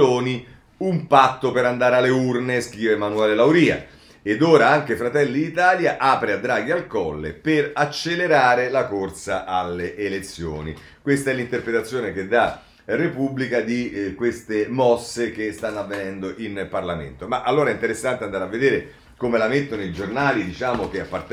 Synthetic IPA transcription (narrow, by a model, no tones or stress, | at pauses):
oːni | umpat̪ːopeɾand̪aːɾealːeurneskɾiːvemanuɛːlelawɾiːa̰ | ed̪oːɾaaŋk̟efɾat̪ɛlːid̪it̪aːljaʔaːpɾead̪ːɾaːɡ̟ialkɔlːḛperat͡ʃːeleɾaːɾelakorsaʔalːeʔːlet̪sːjo̰ːni | kwest̪aɛlːint̪erpɾet̪at̪sːjoːnek̟ed̪ːa | republikad̪ikwest̪emɔsːekest̪anːoavːenɛnd̪oʔinparlamḛnt̪omaʔalːoːɾaɛint̪eɾesːant̪eand̪aːɾeavːed̪eːɾe | komelamet̪ːonoid͡ʒornaːlid̪it͡ʃaːmok̟eapːart̪